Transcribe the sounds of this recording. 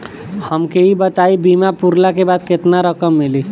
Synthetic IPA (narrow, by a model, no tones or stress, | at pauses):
həmkeibət̪aibimapuɾlakebad̪ket̪naɾəkəmːili